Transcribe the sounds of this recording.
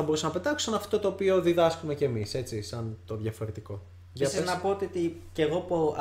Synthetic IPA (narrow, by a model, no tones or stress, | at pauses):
ɐbo̞ɾusɐnɐpe̞t̪ɐksuɐnɐft̪ot̪o̞ːpio̞ðiðɐskumece̞ːmise̞t͡sisɐnt̪o̞ðʝɐfo̞ɾe̞t̪iko̞ | eɐsiznɐpo̞ot̪iot̪iceɣopo